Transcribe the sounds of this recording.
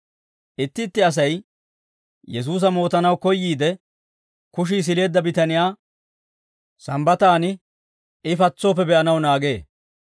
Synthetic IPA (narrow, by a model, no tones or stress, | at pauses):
ʔɪt̪ːɪt̪ːɪɐs̬ɐj | jɛs̬uːs̬ɐmo̞ːt̪ɐnɐwkɔjːiːd̪ɛ | kʊʃ̬iːs̬ɪle̞ːd̪ːɐbɪt̪ɐnɪjaː | sɐmbɐt̪aːnɪ | ɪfɐt͡sːo̞ːp̬ːɛbɛʔɐnɐwnaːɡe̞ː